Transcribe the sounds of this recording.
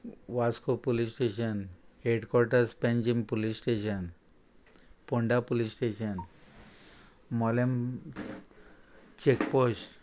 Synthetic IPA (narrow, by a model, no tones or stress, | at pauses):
ʋaskopolisʈeɕ̬ənheɖkɔɾʈəɾspẽnd͡ʑimpolisʈeɕən | poɳɖapulisʈeɕən | mɔlem | t͡ɕekposʈ